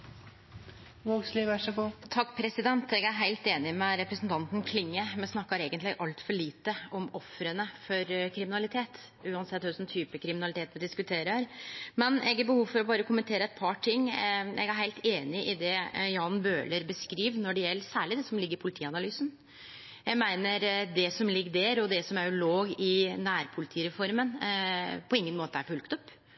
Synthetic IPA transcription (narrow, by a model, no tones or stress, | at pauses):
ʋoːɡsliːʋæʂɔɡuːt̪ʰɑkːpʰɾɛsɪd̪ɛnt̪ɛɡæɾɦæɪlt̪eːnɪmɛɾɛpɾəsnt̪ʰɑnt̪n̩kʰlɪŋːəmɛsnɑkːɑɾeːɡənt̪lɪɡʔɑlt̪fɔɭiːt̪əɔmɔfɾənəfɔɾkʰɾɪmɪnɑlɪt̪ʰeːt̪ | ʉːɑnsɛt̪ːhʉsɔmt̪ʰyːpəkʰɾɪmɪnɑlɪt̪eːt̪mɛd̪ɪskʉt̪ʰeːɾəɾmɛnɛ̰ɡæɾbəhuːʋfɔɾɔbɑːɾəkʰʊmənt̪ʰeːɾəɛt̪̚pʰɑʈʰɪŋːɛ̰ɡæɾɦæɪlt̪eːnɪʔɪd̪ɛjɑːnbøːləɾbəskɾiːʋnɔɖɛjɛlːəsæːɭɪd̪ɛsɔmlɪɡːəɾɪpʰʊlɪt̪ʰiːɑnɑlyːsn | jæɡmæɪnəɾd̪ɛsɔmlɪɡːd̪æɾɔd̪ɛsɔmæɾloːɡɪnæːɾpʰʊlɪt̪ʰiːɾɛfɔɾmən | pʰɔɪŋːənmoːt̪əæɾfʉlkt̪ɔpː